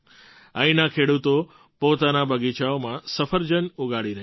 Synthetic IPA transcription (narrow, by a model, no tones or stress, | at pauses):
əĩnakʰeɽut̪o | pot̪anabəɡit͡ʃaomãsəfəɾd͡ʒənuɡaɽiɾəɦ